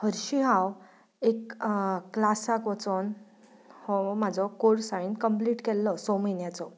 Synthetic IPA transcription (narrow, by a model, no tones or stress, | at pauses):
həɾɕiɦãw | ekː | lasakʋɔt͡son | hɔmad͡zʱɔkoɾsaɭiːnkəmpliːʈkɛlːɔsɔməjnjat͡sɔ